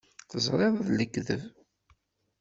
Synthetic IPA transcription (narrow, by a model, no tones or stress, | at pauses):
θəzˤɾˤeðˤðləɡðəv